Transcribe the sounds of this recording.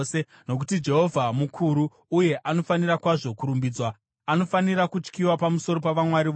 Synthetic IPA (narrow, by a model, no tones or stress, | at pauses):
se | no̞k̬utid͡ʒe̞ɦo̞vʱamukʰuɾuː | je̞ʔano̞fanirakwaʐo̞kuɾumbiːd͡zwa | ano̞faniɾakut͡ʃkiwapamuso̞ɾo̞paʋamwaɾiʋ